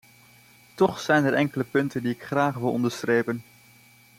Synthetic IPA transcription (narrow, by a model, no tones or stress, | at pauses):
tɔχsɛjnɛɹʔɛŋkələpɵntəndiɪkχraːχʋɪlˠɔ̰ndəɹstrejpən